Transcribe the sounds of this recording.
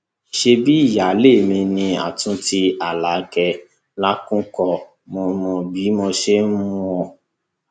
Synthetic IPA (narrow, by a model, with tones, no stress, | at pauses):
i˨ʃe˧bi˦i˦˨ja˨˦le˦˨mĩ˧nĩ˧a̰˨tũ˨˦ti˧a˨la˨˦kɛ˧ | la˦kũ˦kɔ˧ | mo˧mɔ̃˧bi˨˦mo˧ʃe˦ũ˦ɔ˧